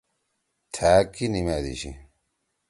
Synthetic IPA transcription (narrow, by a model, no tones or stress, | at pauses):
t̪ʰaːkinimad̪ḭɕḭ